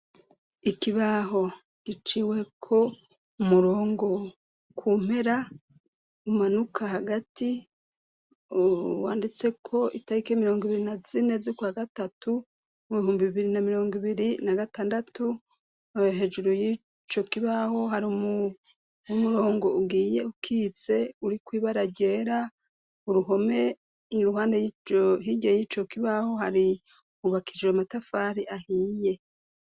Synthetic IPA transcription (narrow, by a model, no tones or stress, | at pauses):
ikiβaɦo̞ | ɡ̥it͡ʃiwe̞kʰo̞ | umuɾo̞ːŋɡo̞ | kʰuːm̥e̞ɾa | umanukʰahaɡati | wa̰ːndit͡se̞kʰo̞ʔitaɾike̞ːmiɾo̞ːŋɡiβiɾinazine̞zikwaːɡatatu | muβihuːmbiβiβiɾinamiɾo̞ːŋɡiβiɾinaɡataːndatu | ɦe̞d͡ʒuɾoji | t͡ʃo̞kiβaho̞ɦaɾiumu | umuɾo̞ːŋɡo̞ubɡiːje̞ukʰiːt͡se̞uɾikwiːβaɾaɟeːɾa | uɾuɦo̞me̞ | niɾuɦaːndejihiːɟejiːt͡ʃo̞kiβaho̞haɾi | uβakʰid͡ʒeamatafaːɾiʔahiːje̞